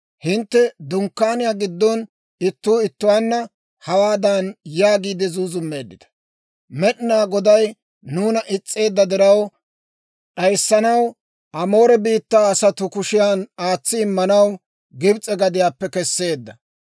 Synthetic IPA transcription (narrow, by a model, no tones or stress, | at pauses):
hɪnt̪ːɛd̪ʊŋkːaːnɪjaːɡɪd̪ːɔn | ɪt̪ːʊːɪt̪ːʊwaːnːɐ | hɐwaːd̪anjaːɡiːd̪ɛzuːzʊmːe̞ːd̪ːɪd̪ɐ̥ | mɛɗnaːɡɔd̪ɐj | nuːnɐʔɪt͡sʼːe̞ːd̪ːɐd̪ɪɾɐw | ᶑɐjsːɐnɐw | ʔɐmo̞ːɾɛbiːt̪ːaːɐsɐt̪ʊkʊʃɪjaːnaːt͡sːɪːmːɐnɐw | ɡɪbt͡sʼɛɡɐd̪ɪjaːpːɛkɛsːe̞ːd̪ːɐ